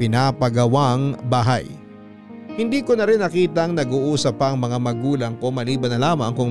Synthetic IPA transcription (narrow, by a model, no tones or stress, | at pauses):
pɪnaːpɐɡɐwaŋbaːɦa̰j | hɪnd̪iːkonɐɾɪnːɐkiːt̪ɐŋnɐɡuːʔuːsɐpːɐʔɐŋmɐŋamɐɡuːlɐŋkomɐliːbɐnɐlaːmɐŋkʊŋ